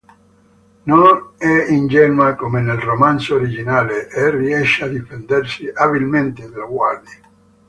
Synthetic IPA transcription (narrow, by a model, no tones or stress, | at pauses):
nonɛind͡ʒɛnwakomenelromansooɾid͡ʒinaːleʔeriɛʃːad̪ifend̪ɛrsiʔabilment̪ed̪aloɡward̪i